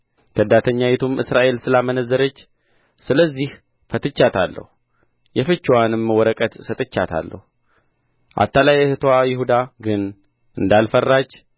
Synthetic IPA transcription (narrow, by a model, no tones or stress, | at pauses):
t̪ʰəd̪at̪ʰəɲːawɛt̪ʰumɨsɾaʔe̞lsɨlamənəzːəɾət͡ʃː | sɨləzːih | fət̪ɨt͡ʃːat̪ʰalːə̰hu | jɛfɨt͡ʃːwanɨmːəwɔɾəkʼət̪sət̪ʼɨt͡ʃːa̰t̪ʰa̰lːə̰hu | ʔa̰t̪ːalajɛhɨt̪ʰwajɪhud̪aɡɨn | ʔɨnd̪alfərːat͡ʃː